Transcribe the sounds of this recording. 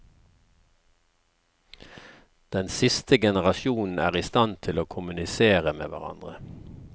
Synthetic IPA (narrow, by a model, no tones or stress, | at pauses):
d̪̥ɛnsɪst̪əɡɛnəʁɑsjuːnn̩æ̰ːʁɪst̪ɑnt̪ʰɪloːkʰʊmʉnɪseːʁəmḛːʋæ̰ʁɑ̰nd̪ʁə